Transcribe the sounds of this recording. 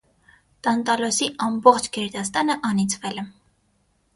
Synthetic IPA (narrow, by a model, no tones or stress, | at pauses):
t̪ɑnt̪ɑlɔsiʔɑmbɔχt͡ʃʰɡɛɾd̪ɑst̪ɑnəʔɑnit͡sʰvɛlɛ